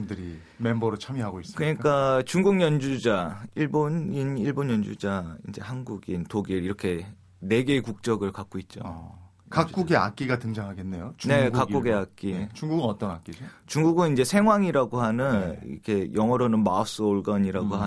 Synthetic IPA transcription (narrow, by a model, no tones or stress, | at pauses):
mdɯɾi | me̞mbʌɾɯɭt͡ɕʰamiɦaɡoisɯkɯɲikk͈at͡ɕuŋɡuŋɲʌnd͡ʑud͡ʑaiɭboniniɭbonjʌnd͡ʑud͡ʑaind͡ʑe̞hanɡuɡintoɡiɾiɾʌkʰe̞ | ne̞ɡe̞kuk̚t͡ɕ͈ʌɡɯɭkak͈oit̚t͡ɕ͈o̰ | kak͈uɡea̰k͈iɡatɯŋd͡ʑaŋɦaɡe̞nːe̞jot͡ɕne̞kakk͈uɡeak͈it͡ɕuŋɡuɡɯnʌt͈ʌnak͈iot͡ɕuŋɡuɡɯnind͡ʑe̞sʰe̞ŋɦwaŋiɾaɡoɦanɯnḭkʰe̞jʌŋʌɾonɯnmaʌs͈ɯoɭɡʌɲiɾaɡoɦa